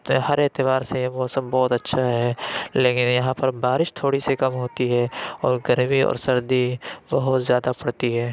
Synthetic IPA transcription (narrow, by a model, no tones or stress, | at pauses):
hɐɾɪt̪ɪbaːɾsejeboːsəbɔːt̪ɐtːʃʰaɦɛːleːkɪnjɐɦãpɐɾbaːɾɪʃt̪ʰoːɽisekɐmɦoːt̪iɦɛɔːɾɡɐɾbiɔ̰ːɾsɐɾd̪ibɐɦʊt̪zjaːd̪apɐɽt̪iɦɛː